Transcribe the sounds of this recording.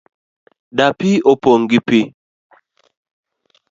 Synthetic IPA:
dapiopoŋɡipi

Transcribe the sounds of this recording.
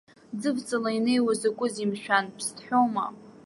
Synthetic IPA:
d͡zɨvt͡sʼalaine̞jwazakʷʼʊzimʃᶣanpʰstʰʼħʷᶣoma̰

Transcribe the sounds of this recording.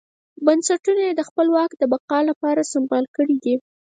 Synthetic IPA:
bansaʈunajed̪əxpəlwɑkd̪əbaqɑlapɑɾasɪmbɑlkəɽid̪i

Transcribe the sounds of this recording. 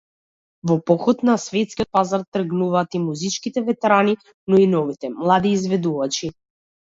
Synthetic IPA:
vɔpɔxɔt̪nasvɛt̪skiɔt̪̚pazaɾt̪r̩ɡnuvaːt̪imuzit͡ʃkit̪ɛvɛt̪ɛɾani | nɔinɔvit̪ɛmlˠad̪iːzvɛd̪uvat͡ʃi

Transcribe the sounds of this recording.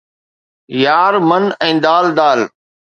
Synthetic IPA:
jaːɾmənɛ̃ːd̪aːld̪aːl

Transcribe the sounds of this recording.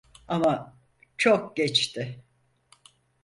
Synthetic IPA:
ama | t͡ʃʰok̚ɟɛt͡ʃt̪ʰɪ

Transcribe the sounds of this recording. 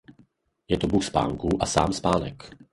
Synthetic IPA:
jɛt̪ɔbuxspa̰ːŋkuʔasa̰ːmspaːnɛk

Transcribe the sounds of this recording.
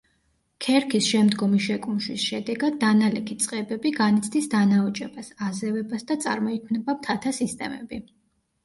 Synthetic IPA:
kʰɛɾkʰisʃɛmd̪ɡɔmiʃɛkʼunʃwisʃɛd̪ɛɡad̪ːanalɛkʰit̪sʼqʼɛbɛbiɡanit̪sʰd̪isd̪anaɔt͡ʃʼɛbasazɛvɛbasd̪at̪sʼa̰ɾmɔikʰmnɛbap̚t̪ʰat̪ʰasist̪ʼɛ̰mɛ̰bi

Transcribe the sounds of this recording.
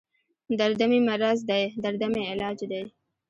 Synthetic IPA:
d̪aɾd̪amimaɾazd̪ajd̪aɾd̪ameɪlɑːd͡ʒd̪aj

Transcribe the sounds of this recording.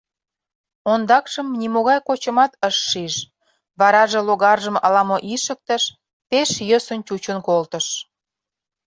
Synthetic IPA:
ond̪ɑkʃəmnimoɣɑjkot͡ɕə̆mɑt̪əʃːiʒ | βɑɾɑʒĕloɣɑrʒəmɑlɑmoʔiʃək̚t̪əʃ | peʃjəsə̆nt͡ɕut͡ɕənkolt̪ə̆ʃ

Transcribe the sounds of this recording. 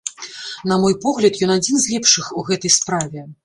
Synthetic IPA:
nɐmɔjpɔɣlʲɐt̪jɔnad͡zʲinzʲlʲɛpʂɨxuɣɛt̪ɐjspɾavʲɛ

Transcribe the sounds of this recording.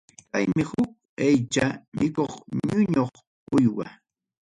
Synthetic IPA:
pajmɪhʊk̚ | ajt͡ʃamɪkoχɲʊɲoχ | ʊjwa̰

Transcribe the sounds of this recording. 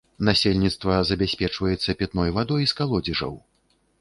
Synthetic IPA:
nasʲelʲnʲit̪st̪vɐzɐbʲasʲpʲɛt͡ʂvɐjɛt̪sːɐpʲɛt̪nɔjvad̪ɔjskalˠɔd͡zʲiʐɐ̰w

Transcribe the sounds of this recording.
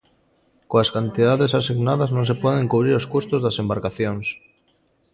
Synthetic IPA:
koaskant̪iðaðesasiɣnaðaznõŋsepɔðeŋkuβ̞ɾiɾoskost̪ozðasembaɾkaθjoŋs

